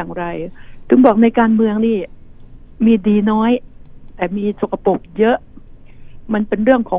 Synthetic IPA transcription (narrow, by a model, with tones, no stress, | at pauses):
ŋɾa˧jt̪ʰɯ˩˦ŋbɔː˨˩k̚na˧jkaː˧nmɯ˧əŋniː˥˩ | miː˧diː˧nɔː˦˥jt̪ɛː˨˩miː˧so˨˩kʰːa˧po˨˩k̚jɤ˦˥ʔ | ma˧npe˧nɾɯ˥˩əŋkʰɔː˩˦